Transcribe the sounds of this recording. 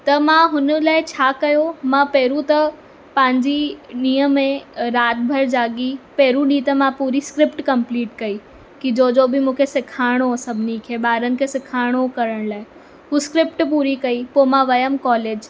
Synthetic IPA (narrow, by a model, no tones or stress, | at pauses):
t̪ɐmãɦʊnə̆laːɪt͡ɕʰaːkɐjomãːpeːɾũt̪ɐ | pɐ̃ɦɪ̃ɲd͡ʑiɗĩːəmẽɾaːt̪̚bʱɐɾd͡ʑaːɠipeːɾũɗĩt̪ɐmãpuːɾiskɾɪpʈkɐ̃mpliːʈkɐi | kid͡ʑoːd͡ʑobɪmũːkʰesɪkʰaːɪɽ̃osɐbʱɪnikʰeːɓaːɾənɪ̆kʰeːsɪkʰaːɪɽ̃okɐɾəɽ̃laːɪ | ɦuːskɾɪpʈpuːɾikɐipomãʋɐjəmkɔːleːd͡ʑ